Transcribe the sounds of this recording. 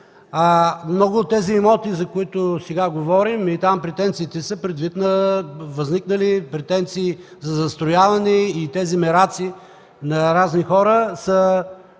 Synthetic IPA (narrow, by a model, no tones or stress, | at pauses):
amnɔɡʊːt̪ːɛziɛmɔt̪izɐkʊit̪ʊsɛɡaɡovɔɾimit̪ampɾɛt̪ɛnt̪siːt̪ɛsəpɾɛd̪vit̪nɐvɐzniknəlipɾɛt̪ɛnt̪siː | zɐzɐst̪ɾojavɐnɛit̪ɛzimɛɾat̪si | nɐɾaznixɔɾəsə